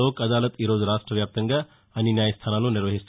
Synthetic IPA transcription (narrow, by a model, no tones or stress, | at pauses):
oːkɐd̪aːlət̪iɾoːd͡zɾaːʂʈɾəʋjaːp̚t̪ɐŋɡə | ɐninjaːjɐst̪ʰaːnaːnuniɾʋɐɦist̪